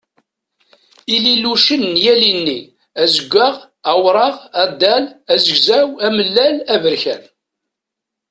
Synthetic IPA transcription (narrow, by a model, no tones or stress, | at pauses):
ililuʃənːjælinːi | æzəɡʷːæʁ | æwɾˤɑʁæd̪ːælæzəɡzæwæməlːælævəɾçæn